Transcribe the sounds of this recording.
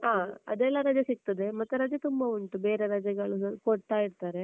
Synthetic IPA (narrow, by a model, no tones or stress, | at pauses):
aːɐ̰d̪ɛlːɐɾɐd͡ʒɐsik̚t̪ɐd̪e̞mɐt̪ːuɾɐd͡ʒɐt̪umbɐuɳʈube̞ːɾeɾɐd͡ʒɐɡɐɭukoɽt̪aːjiɾt̪aːɾe̞